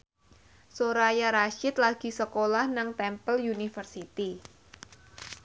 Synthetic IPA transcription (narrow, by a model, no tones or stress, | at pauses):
soɾajaɾaʃɪt̪laɡ̥i̤səkolahnaŋt̪ɛmpəljunifərsit̪i